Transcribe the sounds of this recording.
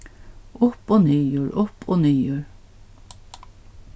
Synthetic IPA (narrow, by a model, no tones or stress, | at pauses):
ʊpoːniːjuːɹʔʊpʰoːniːjuːɹ